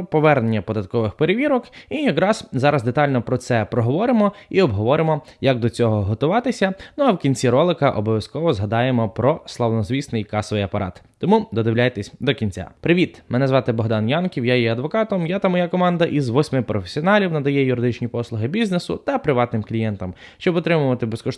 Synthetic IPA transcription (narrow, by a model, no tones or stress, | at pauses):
pɔʋɛrnenʲːɐpɔd̪ɐt̪̚kɔʋɪxpeɾeʋʲiɾɔkijɐkɾɑz̥zɑɾɐzd̪e̞t̪ɑlʲnɔpɾɔt̪sɛpɾɔɦɔʋɔɾɪmɔiɔbɦɔʋɔɾɪmɔjɐk̚d̪ɔt͡sʲɔɦɔɦɔt̪ʊʋɑt̪ɪsʲɐnuɐwkʲinʲt͡sʲiɾɔlˠɪkɐʔɔbɔʋʲjɐskɔʋɔzɦɐd̪ɑjemɔpɾɔslˠɐwnɔzʋʲisnɪjkɑsɔʋɪjɐpɐɾʔɑ̰t̪ːɔmud̪ɔd̪ɪwlʲajt̪esʲd̪ɔkʲinʲt͡sʲa̰pɾɪʋʲit̪mɪnɛzʋɑt̪ɪbɔɦd̪ɑnjɑnkʲiwjajjɛɐd̪ʋɔkɑt̪ɔmjat̪amɔjakɔmɑnd̪ɐʔizʋɔsʲmɪpɾɔfʲe̥sʲiɔnɑlʲiwnɐd̪ɐjɛjʊɾɪd̪ɪt͡ʃnʲipɔslˠʊɦɪbʲiznesʊ̰t̪ɐpɾɪʋɑt̪nɪmklʲijɛnt̪ɐm | ʃt͡ʃɔbɔt̪ɾɪmʊʋɐt̪ɪbeskɔʃ